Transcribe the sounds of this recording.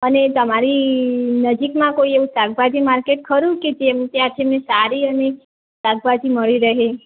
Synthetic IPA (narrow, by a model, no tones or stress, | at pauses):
ənet̪əmaɾinəd͡ʒikmãkoieʋũsaɡbad̪ʱimaɾkeʈ̚kʰəɾũked͡ʒemt̪jãt̪ʰemẽsaɾiəne | saɡ̚bad̪ʱiməɭiɾəɦe